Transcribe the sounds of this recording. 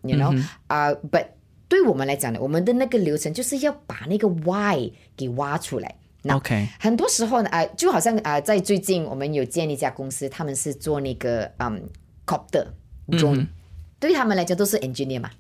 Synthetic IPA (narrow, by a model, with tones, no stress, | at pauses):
ju˨no˥˦ʔə˧pɐ˨˩t̚ | t̪we˥˩ɪwɔ˨˩mə˦nla˧˥ɪt͡ɕjɑ˨˩ŋd̪ə̰˨wɔ˨˩mə˦nd̪ə˨na˥˩ɡə˨ljo˧˥ʊʈ͡ʂʰə˧˦ŋt͡ɕjo˥˧ʊʂɻ̩˥˧jɑ˥˩ʊpa˨˩na˥˩ɡə˨˩wa˥˩ɪ | ke˨˩ɪwa˥ʈ͡ʂʰu˥la̰˧˦ɪ | na˥kʰexə˨˩nt̪wɔ˥ʂɻ̩˧˥xo˥˧ʊn˩ʔə˧t͡ɕjxɑ˨˩ʊɕjɑ˥˧ŋʔə˧t͡sa˥˧ɪt͡swe˥˧ɪt͡ɕi˥˩nwɔ̰˨˩mə˦njo˨˩ʊt͡ɕjɛ˥˧ni˥˧t͡ɕja˥˧˩kʊ˥ŋsɹ̩˥t̪ʰa˥mə˨˦nʂɻ̩˥˧t͡swɔ˥˧na˥˩ɡə˩ʔə̰˨˩m | kʰɔ˥p̚t̪ə̰˨˩ʈ͡ʂʊ˥ŋt̪we˥˩ɪt̪ʰa˥mə˨˧nla˧˥t͡ɕjŋt̪o˥ʊʂɻ̩˥˨ʔɛ˨˩nd͡ʒə˧ni˥˩ma̰˩